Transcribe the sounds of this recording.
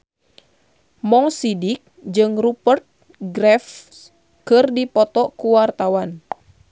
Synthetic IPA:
mɔŋsidik̚d͡ʒɨŋrupərt̪̚ | ɡɾɛf | kɨrdipɔt̪ɔkuwart̪awan

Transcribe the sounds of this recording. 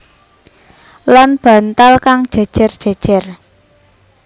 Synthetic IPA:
lanb̥ä̤nt̪alkaŋd̥ʒ̥a̤d̥ʒ̥a̤rd̥ʒ̥a̤̥ʒ̥a̤r

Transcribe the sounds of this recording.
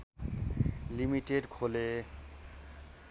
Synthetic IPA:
limiʈeɖkʰole

